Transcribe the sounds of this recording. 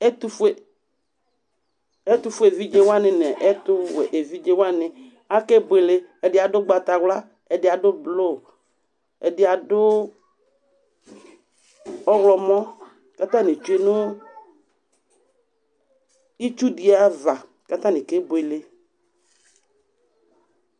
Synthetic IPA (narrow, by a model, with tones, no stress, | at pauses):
ɛ˦tu˦fe˨ | ɛ˦t̪u˦fʊ˦e˨vi˦d͡ʒe˦wa˦nɪ̃˨nɛ˨ʔɛ˦t̪ʊ˦e˨ʔe˨vi˦d͡ʒe˦wa˦nɪ̃˨ | a˦ke˦bʊ˨e˨le˦ɛ˨dɪ˨a˨dʊ˦ɡ͡ba˨t̪a˨wla˦ | ɛ˨dɪ˨a˨dʊ˦blo˦˨ | ɛ˨dɪ˨a˨dʊ˦ | ɔ˦wlɔ˨mɔ̃˦ | ka˦t̪ã˦nɪ̃˨t͡ʃu˦e˦nʊ̃˦ | i˦t͡ʃu˦di˨a˦va˨ | ka˦t̪a˦nɪ̃˨ke˦bʊ˨e˨le˦